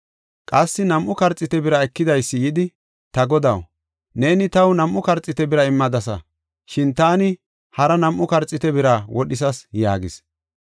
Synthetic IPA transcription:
kʼɐsːɪnɐmʔʊkɐɾt͡sʼːɪt̪ɛbɪɾɐɛkːɪd̪ɐjsːɪjɪd̪ɪ | t̪ɐɡɔd̪ɐ̰w | ne̞ːnɪt̪ɐwnɐmʔʊkɐɾt͡sʼɪt̪ɛbɪɾɐɪmːɐd̪ɐsɐ̰ | ʃɪnt̪aːnɪ | hɐɾɐnɐmʔʊkɐɾt͡sʼːɪt̪ɛbɪɾɐwɔɗɪs̬ɐsja̰ːɡɪs

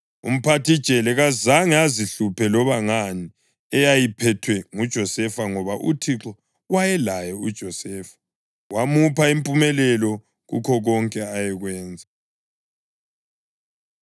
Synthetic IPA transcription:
ṵm̩pʰatʰid̥t͡ʃʼɛlɛɣazaŋɛaziɬupʰɛlɔβaŋani | ɛjajipʰɛtʰwɛŋud̥ʒ̥ʱɔsɛfaŋɔβaʔṵtʰiǁɔ | wajɛlajɛud̥ʒ̥ʱɔsɛːfḁ | wamupaimpʼumɛlɛlɔ | ɣṵkʰɔɣɔŋkʼɛajɛɣwɛːnd͡zʱa

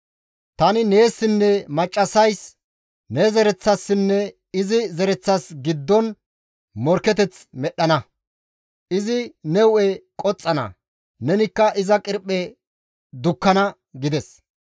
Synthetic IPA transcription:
t̪ɐnɪne̞ːsːɪnːɛmɐt͡ʃʼːɐsɐjs | nɛzɛɾɛt͡sːɐsːɪnːɛ | ɪzɪzɛɾɛt͡sːɐsɡɪd̪ːɔn | mɔɾkːɛt̪ɛt͡smɛɗːɐnɐ | ʔɪzɪnɛwʊɛkʼɔt͡sʼːɐnɐ̰ | nɛnɪkːɐʔɪzɐkʼɪɾpʼːɛ | d̪ʊkːɐnɐ | ɡɪd̪ɛs

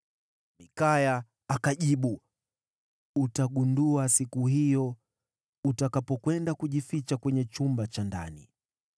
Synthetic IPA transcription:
mikaja | akaʄiɓu | utaɠunduasikuɦijɔ | utakapɔkwɛndakuʄifit͡ʃakwɛɲɛt͡ʃumbat͡ʃanda̰nḭ

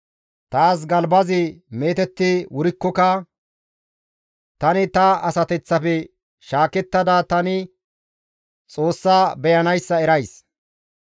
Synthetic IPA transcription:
t̪aːs̬ɡɐlbɐzɪme̞ːt̪ɛt̪ːɪwʊɾɪkːɔkɐ | t̪ɐnɪt̪ɐɐsɐt̪ɛt͡sːɐfɛ | ʃaːkɛt̪ːɐd̪at̪ɐnɪ | t͡sʼo̞ːsːaːbɛjɐnɐjsːɐɛɾɐjs

